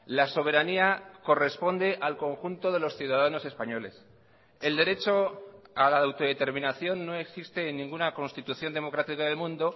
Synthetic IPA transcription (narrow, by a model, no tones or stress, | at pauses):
laso̞β̞e̞ɾaniako̞re̞spo̞nd̪e̞ʔalko̞ŋxunt̪o̞ðe̞lo̞sθjuðaðano̞se̞spaɲo̞le̞s | e̞ld̪e̞ɾe̞t͡ʃo̞alaːwt̪o̞ðe̞t̪e̞ɾmĩnaθjo̞nːo̞e̞ksist̪e̞ːnːĩŋɡunako̞nst̪it̪uθjo̞nd̪e̞mo̞kɾat̪ikaðelmũnd̪o̞